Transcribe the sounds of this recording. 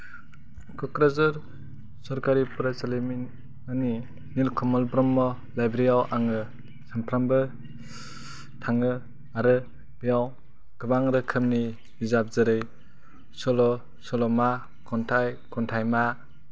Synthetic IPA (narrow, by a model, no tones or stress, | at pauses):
kʰɔkɾazɯɾ | sɔɾkaɾipɾasalimi | ani | nilkʰɔmɔlbɾɔmːɔ | lajbɾijawʔaŋɯ | sampʰɾambɯ | tʰaŋɯ | aɾɯ | bijaw | ɡ̥ɯbaŋɾɯkʰɯmni | bizap̚zɯɾɯj | sɔlɔ | sɔlɔma | kʰɔntʰajkɔntʰajma